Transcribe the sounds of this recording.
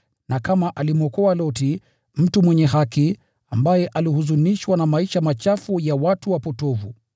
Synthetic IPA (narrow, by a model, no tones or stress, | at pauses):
nakamaʔalimɔkɔalɔti | m̩tumwɛɲɛɦaki | ambajɛʔalihuzuniʃwanamaiʃamat͡ʃafujawatuwapɔtɔvu